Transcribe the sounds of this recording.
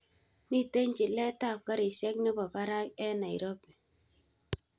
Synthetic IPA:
mi˦˨te˦ɲt͡ʃi˨lɛ˦ta˦˨p̚ka˦ɾi˨sɛ˦knɪ˦bɔ˨ka˦ɾa˦kɛ˦na˨i˨ɾɔ˦p

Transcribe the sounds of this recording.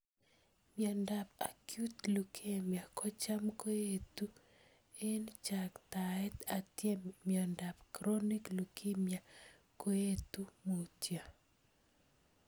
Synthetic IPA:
mjɔ˨nda˨pa̰kju˦tlu˨kʰe˦˨mja˨kɔ˦t͡ʃa˦mko˦je˦tu˦ | e˦nt͡ʃa˨kt̪a˨ɛ˦t̪a˨tjɛ˦mjɔ˨nda˨pkɾo˦ni˦klu˨kʰe˦mja˨ | ko˦je˦t̪u˦mo˨tja˨

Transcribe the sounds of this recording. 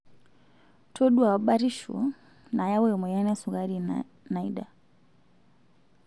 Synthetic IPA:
tʰɔ˦ɗwa˨ɓa˦ɾi˦ʃṵ˨ | na˨ja˦wɛ˦ɔ˨mɔ˨jɛ˦nɛ˦su˨ɣa˦ɾi | na˨iɗa˨

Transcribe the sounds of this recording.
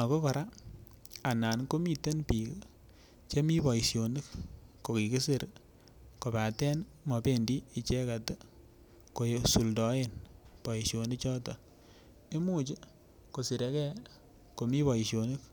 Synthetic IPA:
a˨ko˦kɔ˨ɾa˦ | a˨na˨nko˦mi˦te˦npi˨k | t͡ʃe˦mi˦pɔ˨i˨sjo˨nɨ˦kko˨ki˨ki˦si˦˨ɾ | ko˨pa˨tɛ˦n | mɔ˨pe˦˨ndiː˦˨t͡ʃɛ˦ka˨te˦ | ko˨jsu˨ldɔ˨˦e˦npɔ˨i˨ʃjo˨ni˦kt͡ʃɔ˦tɔ˨ | e˦mu˦t͡ʃi˦ | ko˨si˨ɾe˨˦kɛ˦ | ko˨mi˦pɔ˨i˨ʃjo˨nɨ˦k̚

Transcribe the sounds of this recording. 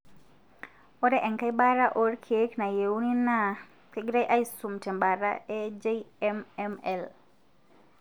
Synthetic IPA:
o˦ɾɛ˦ʔɛ˨ŋka˦jba˦ɾa˦ʔo˦ɾkʰe˦kna˨je˨wnina | t̪iɡɾa˦jʔa˦isu˨mtɛ˨mba˨ɾa̰ed͡ʒeɛmɛmɛl

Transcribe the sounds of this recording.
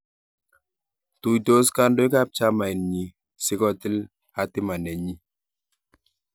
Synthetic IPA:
tu˨jto˦ska˦ndo˦i˦ka˦˨p̚t͡ʃa˦ma˨i˨nɲi˨ | sɪ˦kɔ˦ti˦l | a˦tɪ˦ma˨nɛ˨ɲi˦

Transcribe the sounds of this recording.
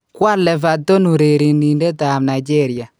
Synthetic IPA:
kwa˦lɛ˨va˨tɔ˦nu˨ɾe˨ɾi˨ni˨ndɛ˦ta˨mna˨d͡ʒɛ˦˨ɾi˨a˨

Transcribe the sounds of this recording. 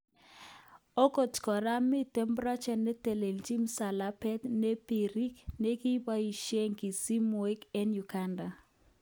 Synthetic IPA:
o˦ko˨tkɔ˨ɾa˦mi˦tɛ˦mbɾa˦t͡ʃɛ˨nːɛ˦te˨le˨lt͡ʃi˦msa˨la˦pɛ˦tne˦pi˨ɾi˦kne˦ki˦ba˦i˨ʃe˦ŋki˨si˦m˨e˦kɛ˦nju˨ɡa˦nda˨

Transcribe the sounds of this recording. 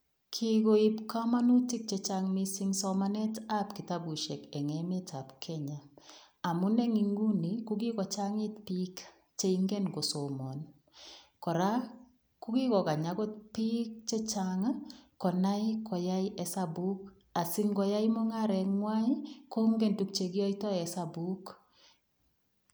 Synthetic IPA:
kʰiko˦i˦pka˦ma˦nu˦ti˦k̚t͡ʃe˨t͡ʃaŋmi˨si˦ŋsɔ˦manɛ˦ta˦pki˨ta˦bu˨ʃɛ˨kɛ˨ŋɛmɛ˦ta˨pkʰɛɲa˨ | a˨mʊ˦nɛ˦ŋi˨ŋɡu˦ni˨ku˦ki˦kɔ˨t͡ʃa˦ŋi˦tpik | t͡ʃe˦iŋɡe˦nko˨so˨mɔ˨n | kɔ˨ɾa˦ | ku˦ɡi˦kɔ˨ka˨ɲa˨˦ɡɔ˦t̚pi˦k̚t͡ʃe˦t͡ʃaŋa˦kɔ˨na˦jkʰɔ˨ja˦jʔɛ˨sabu˦k | a˨si˦ŋɡɔ˦ja˦jmɔ˦ŋa˦ɾɛ˨kŋwa˦ko˦ŋɡɛ˦ntu˨k̚t͡ʃe˨ɡi˦ɔ˦itɔ˦ɛ˨sabu˦k

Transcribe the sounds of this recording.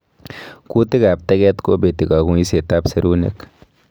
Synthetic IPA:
ku˦ti˦ka˨p̚tɛ˦ɡɛ˦t̪ko˦be˨ti˨ka˨ku˨i˦se˨ta˦pse˦ɾu˦nḛ˦k

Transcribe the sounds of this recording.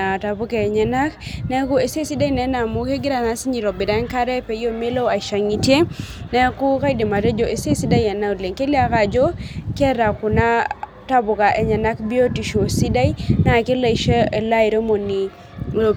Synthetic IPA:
a˨ta˨bʊ˦kɛ˨ɲɛ˨na˦knɛ˦ku˦e˨se˦si˦da˦i˨nɛ˨˦na˨mu˦ke˦ɡɪ˦ɾa˨na˨˦si˦ɲi˨ɾɔ˨bɪ˨da˦nka˦ɾɛ˦pe˨jo˦me˦lo˦a˨ʃa˨ŋi˨tje˦ | nɛ˦ku˦ka˦i˦de˨ma˨ɾe˦d͡ʒo˨ʔe˨se˦si˦da˦jɛ˨na˦u˨le˨ŋke˦li˦a˦ka˨d͡ʒo˦kɛ˦ɾa˨ku˨na˦ | ta˦bʊ˨ka˨ʔe˨ɲɛ˨na˦kbi˦o˦ti˨ʃo˨si˦da˦i˦na˨ke˦la˨i˨ʃe˦e˨la˦i˨ɾo˦mo˨ni˨ | lo˨

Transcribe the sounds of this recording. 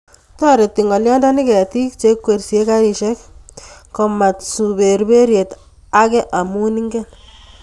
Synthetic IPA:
ta˦ɾe˨ti˨ŋɡɔ˨ljɔ˦nda˦ni˦kɛ˨ti˦kt͡ʃe˦kːwe˨rsje˦ka˦ɾi˨ʃɛ˦k̚kɔ˨ma˨tsu˨be˨ɾbe˦ɾje˨t | a˦kɛ˦ʔa˨mu˦ni˦ŋɡɛ˦n

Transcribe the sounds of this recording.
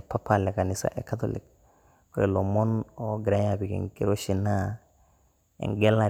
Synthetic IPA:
pa˦palɛ˨ka˨nisa̰˨ʔe˨kat̪olḭk̚ | kɔɾe˨lo˨mɔ˦no˦ɡɾa˦ɲapi˨kḭŋke˦ɾo˦ʃi˨na˦ | ḛŋɡɛ˦la˨

